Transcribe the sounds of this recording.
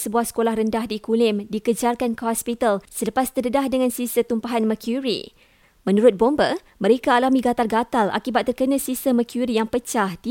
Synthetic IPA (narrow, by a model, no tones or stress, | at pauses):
səbuahsə̥kolahrəndahdikulɪmdikəd͡ʒarkankəɦɔspit̪alsələpast̪ədədahdəŋãnsisət̪umpaɦanməkʰjuɾḭ | mə̃nũɾʊt̪̚bombə | mə̃ɾekaːlamĩɡat̪alɡat̪alʔa̰kibat̪ːərkənə̃sisəməkʰjuɾijaŋpət͡ʃahdi